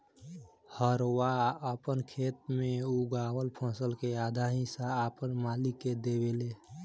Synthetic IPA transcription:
həɾwaəpənkʰeːt̪̚mẽuɡaːwəlpʰə̃səlkeaːd̪ʱaɦĩsaːpənmaːlikːed̪ewele

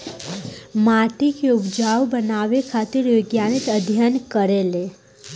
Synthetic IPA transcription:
maːʈikeʊpd͡ʒaːwbənaːwekʰaːt̪ɪɾjoɡjaːnit̪əd̪ʱjənkəɾele

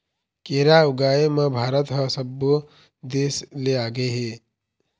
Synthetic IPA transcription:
keːɾaʊɡaːeməbʱaːɾət̪ɦəsəbu | d̪eːsleaːɡeɦe

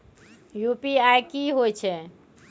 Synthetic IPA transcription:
jupiajkiɦojt͡ʃʰɛ

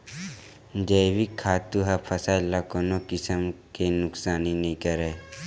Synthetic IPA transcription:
d͡ʒ̪eːwikʰːaːt̪uɦɐpʰəsaːilːakoːnokɪsəmkenʊksaːninĩkəɾeː

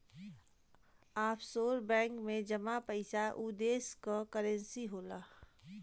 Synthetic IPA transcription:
aːpʰsoːɾbɛ̃ːŋkmẽd͡ʒɐmapɐɪsaʔud̪eːskokəɾə̃nsiɦoːlaː

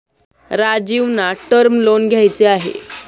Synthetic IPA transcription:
ɾad͡ʑiʋnaʈəɾmlonɡʱjajt͡seaɦḛ

